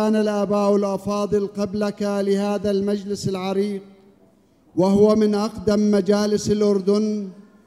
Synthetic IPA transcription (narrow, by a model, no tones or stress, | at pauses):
aːnalʔabaːʔalʔɑfɑːðˤɨlqɑblakalɪhaːðalmad͡ʒlɪsalʕɑɾiːq̚ | waɦʊwamɪnʔɑqd̪amːad͡ʒaːlɪsalʔʊɾd̪ʊn